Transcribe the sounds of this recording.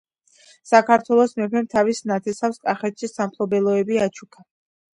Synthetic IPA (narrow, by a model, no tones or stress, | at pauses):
sakʰaɾt̪ʰwɛlˠɔsmɛpʰɛmt̪ʰavisnat̪ʰɛsafskʼaχɛt̪ʃisampʰlˠɔbɛlˠɔɛbiat͡ʃʰukʰa